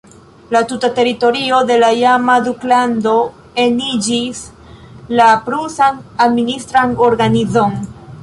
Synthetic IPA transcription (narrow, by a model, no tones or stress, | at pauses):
latutate̞ɾito̞ɾio̞de̞lajamaduklando̞ | e̞nid͡ʒis | lapɾusanadministɾano̞ɾɡanizo̞n